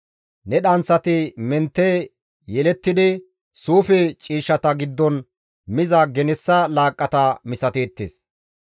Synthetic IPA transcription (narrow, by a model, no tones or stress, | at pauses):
nɛɗɐnsɐt̪ɪmɛnt̪ːe | jɛlɛt̪ːɪd̪ɪ | suːfɛt͡ʃʼiːʃːɐt̪ɐɡɪd̪ːɔn | mɪzɐɡɛnɛsːɐlaːkʼːɐt̪ɐmɪsɐt̪eːt̪ːḛs